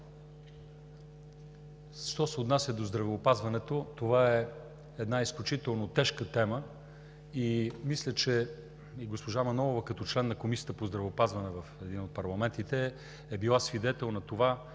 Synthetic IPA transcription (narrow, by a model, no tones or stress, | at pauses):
ʃt̪ɔsɛot̪nasʲjəd̪ozd̪ɾɐvɛopazvɐnɛt̪ot̪ovaɛ | ɛd̪naisklʲut͡ʃit̪ɛlˠnot̪ɛʃkət̪ɛmə | imislʲət͡ʃɛ | iɡospoʒamɐnɔlˠovəkɐt̪ɔt͡ʃlɛnːɐkomisiət̪əpozd̪ɾɐvɛopazvɐnɛvɐfɛd̪inot̪̚pɐɾlˠɐmɛnt̪it̪ɛ | ɛbilˠasvid̪ɛt̪ɛlˠnɐt̪ova